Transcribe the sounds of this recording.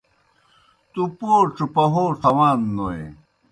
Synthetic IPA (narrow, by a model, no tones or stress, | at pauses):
t̪upoːʈ͡ʂupɐɦoːt̪ʰɐwaːnːoḛ